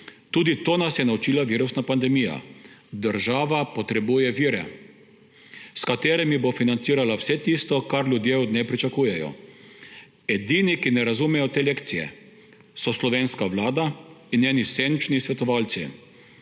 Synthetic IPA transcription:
t̪uːd̪it̪oːnasjɛnaut͡ʃiːlaʋiːɾɛwsnapand̪ɛmija̰d̪əɾʒaːʋapɔt̪ɾɛbuːjɛʋiːɾɛ̰ | skat̪eːɾɛmibofinant̪siːɾalawsɛt̪ist̪ɔkaɾljud̪jeːɔd̪neːpɾit͡ʃakuːjɛjɔ̰ | ɛd̪iːnikinɛɾazumɛjɔt̪eːlekt̪sijɛ̰ | sɔslɔʋeːnskaʋlaːd̪ainjɛːnisent͡ʃnisʋɛt̪ɔʋaːlt̪si

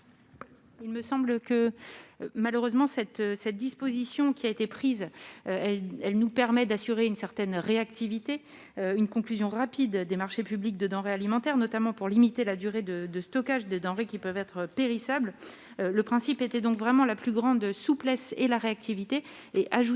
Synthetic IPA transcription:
ilməsɑ̃blkə | maløʁøzmɑ̃sɛt̪øsɛt̪̚d̪ispozisjɔ̃kʲiaet̪epχizøɛlɛlnupɛʁmɛd̪asyʁeynsɛʁt̪ɛnʁeakt̪ivit̪e | øynkɔ̃klyzjɔ̃ʁapid̪d̪emaʁʃepyblik̚d̪əd̪ɑ̃ʁealimɑ̃t̪ɛʁnɔt̪amɑ̃puʁlimit̪elad̪yʁed̪əd̪əst̪ɔkaʒd̪ed̪ɑ̃ʁekʲipœvɛt̪χəpeʁisabl | øləpχɛ̃sipet̪ɛd̪ɔ̃kvʁɛmɑ̃laplyɡʁɑ̃d̪suplɛselaʁeak̚t̪ʰivit̪eeʔaʒu

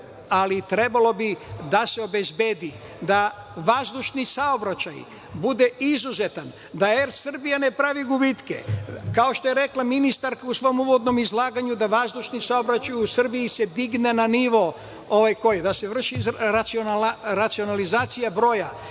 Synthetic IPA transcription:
alit̪ɾe̞balo̞bid̪aseo̞be̞zbed̪i | d̪a | ʋazd̪uʃnisaobɾat͡ɕa̰j | bud̪eizuze̞t̪an | d̪aeɾsr̩bijanepɾaːʋiɡubit̪kḛkao̞ʃt̪o̞je̞ɾe̞klaminist̪aɾkausʋo̞jomuʋo̞d̪no̞mizlˠaːɡaɲud̪aʋazd̪uʃnisaobɾat͡ʃajusr̩bijised̪iɡne̞naniʋo̞ | o̞ʋajko̞jed̪aseʋr̩ʃiːzɾat̪sionaɾat̪sio̞nalizaːt̪sijabɾo̞ːja

